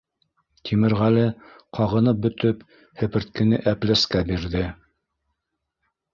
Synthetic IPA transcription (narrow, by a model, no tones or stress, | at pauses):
t̪ʰimɘ̆ɾʁælɘ | qʰɑʁɤ̆nɤp̚bɵ̆t̪ɵp | hɘ̆pɘ̆ɾt̪̚kɘ̆nɘʔæplæskæbiɾðɘ